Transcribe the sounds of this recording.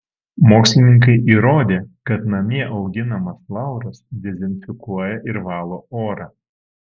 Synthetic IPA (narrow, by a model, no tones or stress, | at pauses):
moːksʲlʲɪnʲɪŋk̬ɐɪʔiːɾoːd̪ʲeːkɐt̪nɐmʲiɛʔɐʊɡʲɪnɐmɐslˠɑˑʊɾɐsd̪ʲɛzʲɛnʲfʲɪkuɔjɛʔɪɾʋɑːlˠoːoːɾɑː